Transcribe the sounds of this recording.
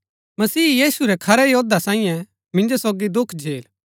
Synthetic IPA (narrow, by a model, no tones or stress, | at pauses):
mɐsiːjiːsuɾɛkʰɐɾɛjoːd̪asãːĩːjɛ̃ | mɪ̃nd͡ʒosoːɡid̪ʊkʰd͡ʒʱeːl